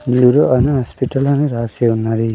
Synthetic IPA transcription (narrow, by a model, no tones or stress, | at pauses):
miuɾoʔɐnuɦaːspiʈɐlonuɾaːseːunːaːɽi